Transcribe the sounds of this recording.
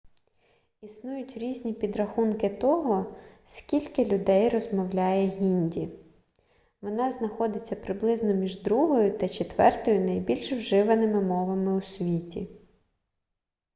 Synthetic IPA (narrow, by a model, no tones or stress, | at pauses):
isnujʊtʲɾʲizʲnʲipʲid̪ɾɐxunkɪt̪ɔɦɔsʲkʲilʲkɪlʲʊd̪ɛjrɔzmɔwlʲajɛɦʲinʲdʲi | ʋɔnɑznɐxɔd̪ɪt͡sʲːɐpɾɪblˠɪznɔmʲiʒd̪ɾuɦɔjʊt̪ɐt͡ʃet̪ʋɛrt̪ɔjʊnɐjbʲilʲʃwʒɪʋɐnɪmɪmɔʋɐmɪʊsʲʋʲitʲḭ